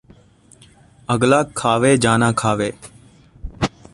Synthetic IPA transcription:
əɡlaːkʰaːʋeːd͡ʒaːnãːkʰaːʋeː

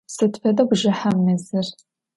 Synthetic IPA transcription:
sɨtfɐdɐɡʷʒɐħamnɨzɨr

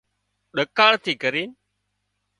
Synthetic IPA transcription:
ɗəkaːɭt̪ʰiːkəɾiː

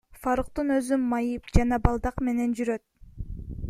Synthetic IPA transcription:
fɑɾɯq̚t̪ɯnø̞zymːɑjɯpd͡ʒɑnɑbɑlˠd̪ɑqme̞ne̞nd͡ʒyɾø̞t̪̚

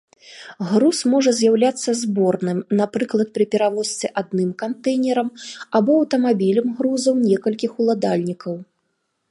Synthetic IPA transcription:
ɣɾusmɔʐɐzʲjawlʲat̪sːɐzbɔrnɨmnapɾɨklˠɐt̪̚pɾɨpʲɛɾavɔsʲt̪sʲɛʔad̪nɨmkant̪ɛjnʲɛɾɐmabɔːwt̪ɐmabʲilʲɐmɣɾuzɐwnʲɛkɐlʲkʲixulˠad̪alʲnʲikɐw

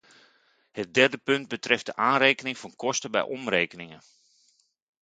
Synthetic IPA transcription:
hət̚dɛrdəpɵnd̚bətrɪft̚dəʔaːnreːkənɪŋfɔnkɔstəbɛ̰jʔɔmreːkənɪŋə

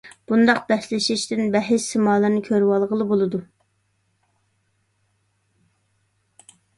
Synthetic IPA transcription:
b̥und̪ɑq̚bɛslɪʃɪʃt̪ɪnbɛɦɪʃsɪmɑːlˠɨnɨkʲʰøɾwɑlˠʁəlˠɨbolˠɨd̪u

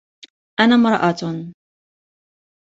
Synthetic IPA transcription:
ʔanaːmɾˤɑʔat̪

